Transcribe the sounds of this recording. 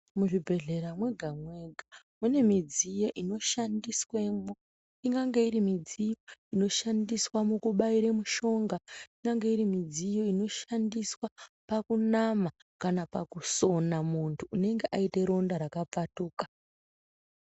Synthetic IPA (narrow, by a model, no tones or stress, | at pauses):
muʐibʱe̞ɮe̞ɾamwe̞ɡʱamwe̞ɡʱa | mune̞mid͡zijo̞ʔino̞ʃandiswemo | iŋɡaŋɡe̞irimid͡zijo̞ino̞ʃandiswamukuɓaiɾe̞muʃo̞ŋɡaiŋɡaŋɡe̞iɾimid͡zijo̞ino̞ʃandiswapakunama | kanapakuso̞namuntʰuːne̞ŋɡeʔaite̞ɾo̞ndaɾakap͡fatuːkḁ